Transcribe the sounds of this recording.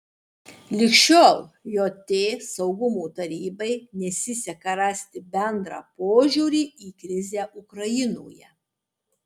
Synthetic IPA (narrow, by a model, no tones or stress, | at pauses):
lʲɪkʃʲt͡ʃʲoːlˠjoːt̪ʲeːsɐʊɡʊmuːt̪ɐɾʲiːbɐɪnʲɛsʲɪsʲɛkɐɾɑsʲt̪ʲɪbʲɛnd̪ɾɑ̰ːpoːʒʲuːɾʲiːiːkɾʲɪzʲæːʔʊkɾɐjɪno̰ːjɛ